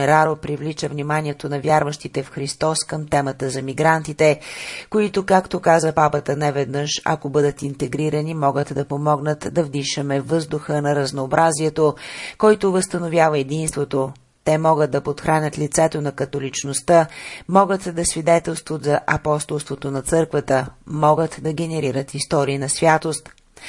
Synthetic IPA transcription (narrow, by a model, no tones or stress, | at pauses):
ɛɾaɾopɾivlit͡ʃəvnimanʲiɛt̪onɐvʲjaɾvəʃt̪it̪ɛfxɾist̪ɔskəmt̪ɛmət̪əzɐmiɡɾant̪it̪ɛkoit̪okakt̪okazəpapət̪ənɛvɛd̪nɤʃɐ̰kobɤd̪ət̪int̪ɛɡɾiɾɐnimɔɡət̪d̪ɐpomɔɡnət̪d̪ɐvd̪iʃəmɛvːɤzd̪ʊxənɐɾɐznoːbɾʔaziɛt̪okɔjt̪ovəst̪ənovʲjavəɛd̪inst̪vot̪o | t̪ɛmɔɡət̪̚d̪ɐpot̪xɾanʲət̪lit̪sɛt̪onɐkɐt̪olit͡ʃnost̪əmɔɡət̪d̪ɐsvid̪ɛt̪ɛlˠst̪vot̪zɐʔɐpɔst̪olˠst̪vot̪onɐt̪sɤɾkvət̪əmɔɡət̪d̪ɐɡʲɛnɛɾiɾət̪ist̪ɔɾiinɐsvʲjat̪ost̪